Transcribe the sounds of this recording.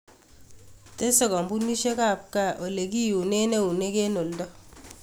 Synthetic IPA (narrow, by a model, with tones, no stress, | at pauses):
te˦sɔ˨kɔ˨mbu˦ni˦ʃe˦ka˦˨p̚ka˦˨ʔo˨le˨ki˦ju˨ne˦ne˦u˨ne˦ke˦no˨ldɔ˦